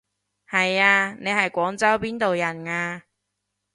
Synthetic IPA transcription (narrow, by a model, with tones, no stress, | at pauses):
hɐ˨jaː˧ne˨˧jhɐ˨jkʷɔː˨˥ŋt͡sɐ˥wpiː˥nt̪o˨wjɐ˨˩nŋaː˧